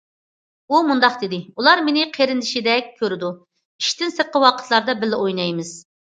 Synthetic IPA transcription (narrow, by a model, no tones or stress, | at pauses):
umund̪ɑqd̪ɪd̪ɪulˠɑɾmenɪqʰeɾɪnd̪ɪʃid̪ɛk̚ʲkʲʰːøɾɪd̪u | iʃt̪ɪnsəqːəwɑqʰə̥t̪ʰlˠɑɾd̪ɑbɪlːɪojnɑjmɨz̥